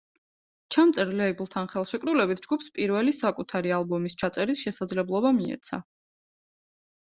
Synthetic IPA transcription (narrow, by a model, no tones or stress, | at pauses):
t͡ʃʰamt̪sʼɛɾlɛiblˠt̪ʰanχɛlˠʃɛkʼɾulɛbit̪ʰd͡ʒɡupspʼiɾvɛlisakʼut̪ʰaɾialˠbɔmist͡ʃʰat̪sʼɛɾisʃɛsad̪zlɛblˠɔbamiɛ̰t̪sʰa̰